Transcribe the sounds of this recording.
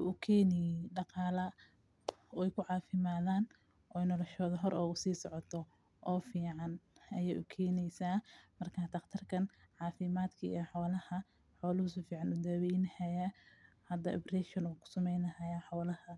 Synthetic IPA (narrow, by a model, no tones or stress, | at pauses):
ʊʔʊkʰɛːnɪjɖɑqɑːlɐ | ɔɛjkʰʊʕɑːfɪmaːðaːn | ʔɔːjnɔlɔʃɔːðɐɦɔɾʔɔːɣʊsiːsɔʕɔt̪ʰɔ | ʔɔːfiːʕɑnʔɐjɛːjʔʊkʰɛːnɛjsaːmɐrkʰaːt̪ʰɐqt̪ʰɐrkʰɐnʕɑːfɪmaːd̪kʰɐḭħɔːlɐhɐ | ħɔːlʊhʊs̬ʊfiːʕɑnʊd̪aːwɛjnhɐjahɐd̪ɐ̰ʔɔ̰brɛʃɔnukʰʊ̥sɐmɛjnɐhɐjaːħɔːlɐhɐ